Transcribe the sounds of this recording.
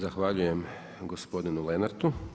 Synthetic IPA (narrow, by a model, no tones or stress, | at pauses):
zaxʋaʎuje̞m | ɡo̞spo̞d̪inulenaɾt̪u